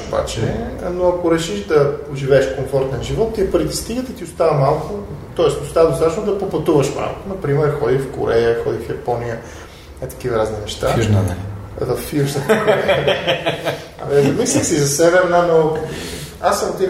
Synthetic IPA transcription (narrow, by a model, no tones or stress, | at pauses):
oba̰t͡ʃɛ̰noɐkoɾɛʃiʃd̪ɐʒivɛːʃkoɱfɔɾt̪ɛnʒivɔt̪ːiɛpəɾit̪ɛ̥st̪iɡət̪it̪iʊst̪avəmalˠkʊt̪ɔɛsʊst̪avəd̪ost̪at̪ɛʃnod̪ɐpopɐt̪uvəʃpɾa̰vo̰t̪onɐpɾimɛɾxɔd̪ifko̰ɾɛjəxɔd̪ifjɐpɔnijə | ɛt̪ɐ̥k̟ivɐɾazninɛʃt̪auʒnnɛ | vɐfjuʒnəɛ | ɐ̰nɛzɐmislʲixsizɐsɛβɛnano | asːɐmot̪i